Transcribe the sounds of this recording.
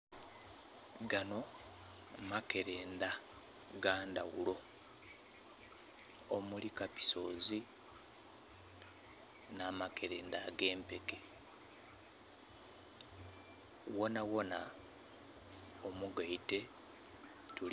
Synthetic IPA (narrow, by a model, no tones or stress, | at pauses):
ɡano̞ | make̞ɾe̞ːnda | ɡaːnda̰ɣṵlo̞ | omulikapi̥so̞zi | naːmake̞ɾe̞ːndaɡe̞ːmpe̞ke | wo̞nawo̞na | omuɡaite̞ | tu